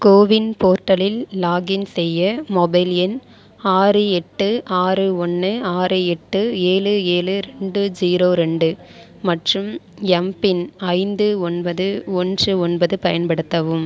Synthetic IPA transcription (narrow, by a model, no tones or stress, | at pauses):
koːʋɪnpoːɾʈːɐlɪlːaːɡɪnsɛjːɐmɔbɐɪljɛn | aːrɯɛʈːɯʔaːrɯɔnːɯaːrɯɛʈːɯeːɭɯeːlɯɾɛɳɖɯd͡ʒiːɾoːɾɛɳɖɯ | mɐʈrɯm | ɛmpɪnɐɪnd̪ɯɔnbɐðɯɔndrɯɔnbɐðɯpɐjɐnpɐɽɯt̪ːɐʋɯm